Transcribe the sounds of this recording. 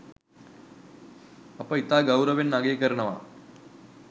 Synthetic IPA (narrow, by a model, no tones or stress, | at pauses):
ɐpəit̪aːɡɐwɾɐʋenːaɡeːkɐɾɳɐʋa̰ː